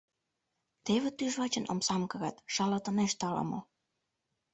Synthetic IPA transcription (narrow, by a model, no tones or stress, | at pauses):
t̪eβĕt̪yʒβɑt͡ɕə̆nʔo̰msɑmkɤ̆ɣɑt̪ʃɑlɑt̪ɤ̆neʃt̪ɑlɑ̰mɤ̰